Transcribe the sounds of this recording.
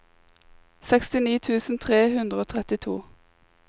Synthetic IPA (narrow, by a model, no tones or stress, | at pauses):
sɛkst̪ɪniːt̪ʰʉːsn̩t̪ʰʁeːhʉnd̪ʁəoːt̪ʰʁɛt̪ɪt̪ʰṵː